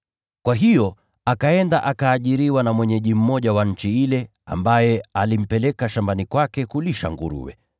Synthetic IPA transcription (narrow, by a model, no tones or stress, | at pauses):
kwaɦijɔ | akaɛndaʔakaːʄiɾiwanamwɛɲɛʄim̩mɔʄawaɲ̩t͡ʃiilɛ | a̰mbajɛalim̩pɛlɛkaʃambanikwakɛkuliʃa̰ŋɡṵɾṵwɛ̰